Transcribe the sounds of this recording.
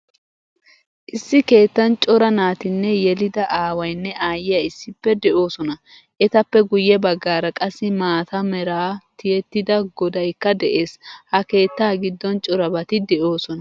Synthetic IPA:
ʔɪsːɪke̞ːt̪ːɐnt͡ʃʼɔɾɐnaːt̪ɪnːɛjɛlɪd̪ɐʔaːwɐjnːɛaːjɪjɐɪsːɪpːɛd̪ɛʔo̞ːsɔnɐ | ʔɛt̪ɐpːɛɡʊjːɛbɐɡːaːɾɐkʼɐsːɪmaːt̪ɐmɛɾaːt̪ɪjɛt̪ːɪd̪ɐɡɔd̪ɐjkːɐd̪ɛʔeːshɐke̞ːt̪ːaːɡɪd̪ːɔnt͡ʃʼɔɾɐbɐt̪ɪd̪ɛʔo̞ːsɔnɐ

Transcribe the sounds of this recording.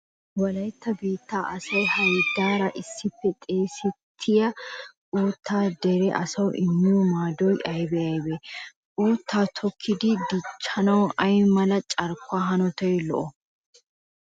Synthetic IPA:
wɐlɐjt̪ːɐbeːt̪ːaːʔɐsɐjhɐjd̪aːɾɐʔɪsːɪpːɛt̪ʼe̞ːsɛt̪ʰːɪjɐʔʼuːt̪ʰːaːd̪ɛɾɛʔɐsɐwʔɪmːɪjɔmaːd̪ɔjʔɐjbɛɐjbɛʔʼuːt̪ʰːaːt̪ʰɔkʰːɪd̪ɪd̪ɪt͡ʃːɐnɐwʔɐjmɐlɐt͡ʃʼɐɾkʰːʊaːɦɐnɔt̪ɔjlɔ̰ʔɔ

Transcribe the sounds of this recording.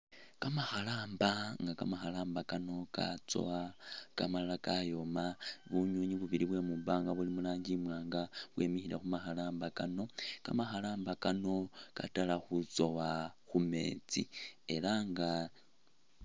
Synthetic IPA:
kamaxalaːmbaŋɡakamaxalaːmbakano̞ka̰t͡so̞̰wakamaalakajo̞maβuɲoɲiβuβiɾiβwemuβaːŋɡaβulimulaːɲɟimwaːŋɡawemixiɾexumaxalaːmbakano̞ka̰maxalaːmbakano̞katalaxut͡so̞waxume̞̰ːt͡sḭe̞laŋɡa

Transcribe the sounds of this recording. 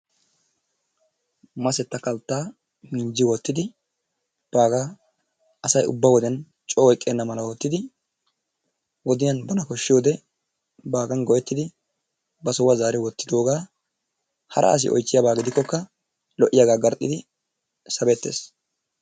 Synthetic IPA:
mɐsɛt̪ːɐkɐlt̪ːaː | mɪnd͡ʒɪwɔt̪ːɪd̪ɪ | b̥aːɡaː | ɐsɐjʊ̰bːɐwɔd̪ɛn | t͡ʃʼɔːɔjkʼːeːnːɐmɐlɐwɔt̪ːɪd̪ɪ | wɔd̪ɪjɐnbɐnɐkɔʃːɪjo̞ːd̪ɛ | baːɡɐnɡɔjɛt̪ːɪd̪ɪ | bɐsɔwɐzaːɾɪwɔt̪ːɪd̪o̞ːɡaː | hɐ̰ɾʔɐ̰ʔɐ̰s̬ɪ̰ʔɔ̰jt͡ʃːɪjaːbaːɡɪd̪ɪkːɔkːɐ | lɔʔːɪjaɡaːɡɐɾt̪ʼːɪd̪ɪ | sɐbɛt̪ːḛːs

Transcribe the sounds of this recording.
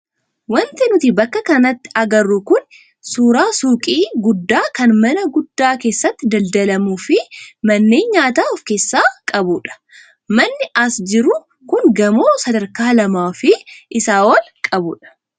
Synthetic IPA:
wɐnt̪ɛnʊt̪ɪbɐkːɐkɐnɐt̪ːɪ̥ɐɡɐrːʊkʊn | suːɾaːsuːkʼiːɡʊd̪ːaːkɐnmɐnɐɡʊd̪ːaːke̞ːsːɐt̪ːɪd̪ɐld̪ɐlɐmuːfɪmɐnːeːɲɲaːt̪aːɔfke̞ːsːaːkʼɐbuᶑɐ̥ | mɐnːɪʔɐsd͡ʒɪɾʊ | kʊŋɡɐmo̞ːsɐd̪ɐɾkaːlɐmaːfɪʔɪsaːwɐlkʼɐbʊᶑɐ̥

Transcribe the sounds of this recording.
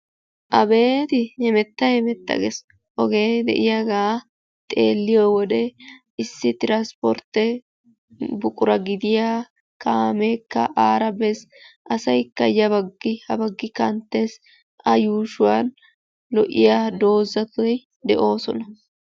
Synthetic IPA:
ʔɐbe̞ːt̪ɪhɛmɛt̪ːɐjɛmɛt̪ːɐ̰ɡes | ʔɔɡe̞ːd̪ɛ̰ʔɪjaɡaː | t̪ʼe̞̰ːlːɪjowɔd̪ɛ | ɪsːɪt̪ɪɾanspɔ̰ɾt̪ːɛ | bʊkʼʊɾɐɡɪd̪ɪjaː | kʰaːmekːɐ̰ʔaːɾɐbɛsʔɐsɐjkːɐjɐbɐɡːɪhɐbɐɡːɪkɐnt̪ːeːs | ʔɐjuːʃʊwaːn | lɔʔːɪ̰jaːd̪o̞ːzɐt̪ʊj | d̪ɛʔo̞ːsɔnɐ

